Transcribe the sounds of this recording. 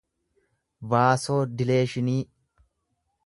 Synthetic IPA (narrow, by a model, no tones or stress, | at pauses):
baːso̞ːd̪ɪle̞ːʃɪniː